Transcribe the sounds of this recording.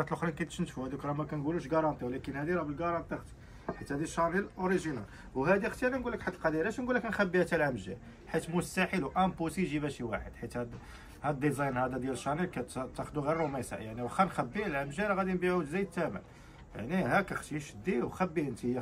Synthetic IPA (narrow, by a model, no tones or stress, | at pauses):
ɑt̪əlʔoxɾinkæt̪ʃnt̪fuhæd̪ikɾˤɑmækænɡuluʃɡɑɾˤɑnt̪ˤiwlækənhæd̪iɾˤɑbəlɡɑɾˤɑnt̪ˤixt̪ | ħit̪hæd̪iʃɑnilʔoɾiʒinæ̰l | wɦæd̪ixt̪jæɾinɡulːəkħat̪ːlqɑd̪iɾæʃnɡulːəknxæbːihæt̪ælʕəmʒæ̰l | ħit̪mʊst̪æħəlwʔæmbusiʒibæʃiwaħəd̪̥ħit̪hæd̪ | hæd̪̚d̪ˤizɑjnhæd̪æd̪jæləʃːɑnilkæt̪t̪ːæxd̪uɣirˤːomæsa̰jaʕniwxːænxæbːilʕəmʒæɾɣæd̪inbiʕuzæjd̪̚t̪ːæmə̰l | ja̰ʕnihækæxt̪iʃd̪ːiwxæbːiənt̪i